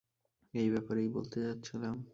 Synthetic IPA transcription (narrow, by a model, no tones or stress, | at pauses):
ejbɛpaɾejbo̰lt̪et͡ɕatːɕʰilam